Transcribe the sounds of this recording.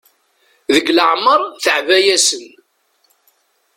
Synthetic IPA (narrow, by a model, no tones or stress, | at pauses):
ðəɡləʕməɾˤθəʕvæjæsən